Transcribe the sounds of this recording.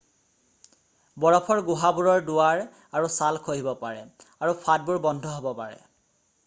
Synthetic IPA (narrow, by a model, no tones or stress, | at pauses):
bɔɹɔpʰɔɹɡuɦabuɹɔɹduwaɹ | aɹusalkʰoɦibɔpaɹɛ | aɹupʰad̚buɹbɔndʱɔɦobɔpaɹɛ̰